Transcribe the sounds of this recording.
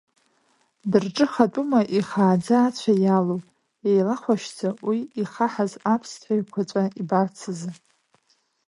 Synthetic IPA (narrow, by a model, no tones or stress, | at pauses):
dɨrʈ͡ʂʼɨχatʷʼumaʔiχaːd͡zaːt͡ɕʷʰajalo | jejlaχʷaʃt͡sʰawiiχaħazapʰstʷʰajkʷʰat͡sʷʼaibart͡sʰɨzɨ